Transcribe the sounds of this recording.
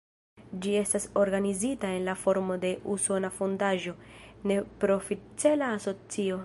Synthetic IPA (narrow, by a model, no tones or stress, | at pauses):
d͡ʒie̞staso̞ɾɡanizitae̞nlafo̞ɾmo̞de̞ʔuso̞nafondaʒo̞ne̞pɾo̞fit͡selaːso̞t͡sio̞